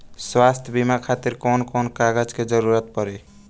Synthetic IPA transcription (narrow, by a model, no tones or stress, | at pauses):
swast̪ʰjbimakʰat̪iɾkɔnkɔnkaɡəd͡ʒked͡ʒəɾuɾət̪̚pɔɾe